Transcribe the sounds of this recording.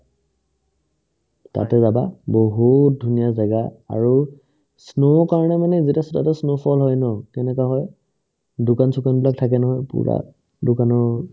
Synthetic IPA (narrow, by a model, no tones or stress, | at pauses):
ta̰tɛzababoɦut̚dʱunijazaɡaa̰ɹu | snokaɹɔnɛmanɛzitasɔtatɛsnopʰɔlɦɔjnɔkɛnɛkaɦɔj | dʊkansukanbilak̚tʰak̬ɛnɔɦɔjpṵɹa̰ | dʊkanɔ